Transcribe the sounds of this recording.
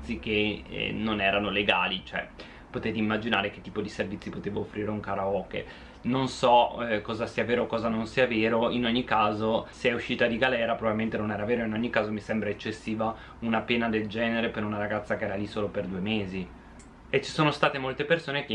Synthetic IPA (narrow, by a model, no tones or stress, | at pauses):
sikḛnonɛːɾanoleɡaːlit͡ʃoɛ̰ | pot̪eːt̪eimːad͡ʒinaːɾeke̥t̪ːiːpod̪iservit̪sipot̪eːvoːfːɾiːɾeuŋkaɾaɔːkḛ | nonsɔkɔːzasiːaveːɾoːkːɔːzanonsiːaveːɾoinoɲːikːaːzoseɛuʃːiːt̪ad̪iɡalɛːɾapɾovavilmẽnt̪enonɛːɾaveːɾoinoɲːikːaːzomisɛmbɾaet͡ʃːesːiːva | unapeːnad̪eld͡ʒɛːneɾepeɾunaɾaɡat̪sːakeɛːɾalisoːloperd̪uːemeːzi | et͡ʃi̥soːnost̪aːt̪emolt̪epersoːneke